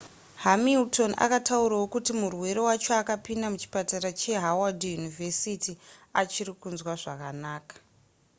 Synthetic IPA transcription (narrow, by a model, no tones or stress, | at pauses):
ɦamiltʰo̞na̰katauɾawo̞kutimurwe̞ɾewat͡ʃoakapindamut͡ʃi̥pataɾat͡ʃe̞ɦawadijunivʱesitiat͡ʃirikunzwaʐa̰kanaːkḁ